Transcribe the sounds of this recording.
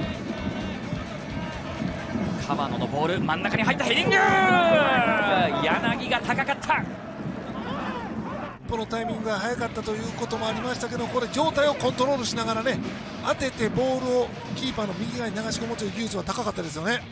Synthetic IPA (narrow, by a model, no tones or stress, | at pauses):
kʰaβa̰no̞no̞bo̞ːɾɯ̟mãnːakaɲ̟iɦait̪ːaɦeɾʲĩŋɡɯ | janaɡʲiɡat̪ʰakakat̪ʰːa | pːo̞no̞t̪aimʲĩŋɡɯɡahajakat̪ːat̪o̞jɯ̟ːko̞t̪o̞mo̞aɾʲimaɕi̥t̪ak̬e̞d̪okoɾe̞d͡ʑo̞ːt̪aio̞kõ̞nt̪o̞ɾo̞ːɾɯ̟ɕinaɡaɾane̞ | at̪e̞t̪e̞bo̞ːɾɯ̟o̞ | kʲiːpanomʲiɡʲiɡainaɡaɕikomot͡ɕeɯɡʲɯ̟ːt͡sɨβat̪akakat̪ːad̪e̞sɨjo̞ne̞